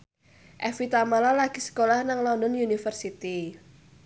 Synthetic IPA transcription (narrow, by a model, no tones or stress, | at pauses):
ʔɛfit̪amalalaɡ̥isə̥kolahnaŋlɔndɔnjunifərsit̪i